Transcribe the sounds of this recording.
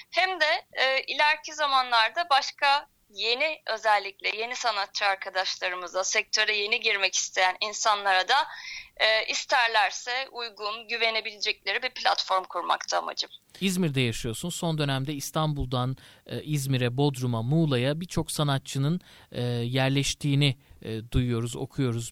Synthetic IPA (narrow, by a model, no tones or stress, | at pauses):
hæmd̪ɛːʔilʲæɾcʰizamanlˠaɾd̪abaʃkʰa | je̞niø̞zɛlʲːic̚lʲɛje̞nisanat̪t͡ʃːʰɯaɾkʰad̪aʃlˠaɾɯmɯzd̪asɛc̚t̪ʰø̞ɾɛje̞niɟiɾmɛci̥st̪ʰe̞jæninsanlˠaɾad̪aː | ʔist̪ʰæɾlʲæɾsɛujɡunɟyve̞ne̞bilʲed͡ʒɛc̚lʲe̞ɾibiɾplʲa̰t̪fo̞ɾmkʰuɾma̰kt̪ʰa̰ːma̰d͡ʒɯmizmiɾd̪ɛjaʃɯjo̞sunso̞nd̪ø̞næmd̪ɛist̪ʰanbulˠd̪anizmiɾɛbo̞d̪ɾumamuːlˠajabiɾt͡ʃʰo̞ksanat̪̚t͡ʃʰɯnɯnːjæɾlʲɛʃt̪ʰiːnid̪ujujo̞ɾuzo̞̰kʰujo̞ɾuz